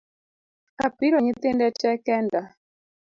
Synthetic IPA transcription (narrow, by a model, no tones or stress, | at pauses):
apiɾɔɲit̪endɛt͡ʃɛkɛnda